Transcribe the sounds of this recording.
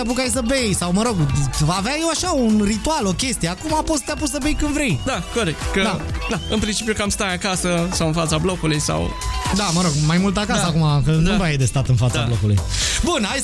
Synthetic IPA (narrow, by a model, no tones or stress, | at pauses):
ap̬ukajs̬əbejsawməɾo̞ɡvaːveajewaʃaunrit̪ualo̞kʲe̞st̪ije̞akumapost̪jap̬usəbejkɨnd̪vɾe̞jd̪akoɾekt̪kəd̪ad̪aɨnpɾint͡ʃipjukamst̪ajakasəsawɨnfat̪sablo̞kulujsa̰wd̪aməɾo̞ɡmajmult̪akasəakumakənupajd̪est̪at̪ɨnfat̪sablo̞kulṵjbunaj